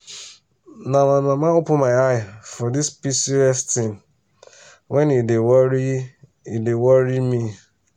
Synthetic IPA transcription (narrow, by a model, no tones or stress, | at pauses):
namamamaopʊmaɪaɪfɔdispisiɛsttɪ̃n | wɛ̃nidewi | idewɔɾimi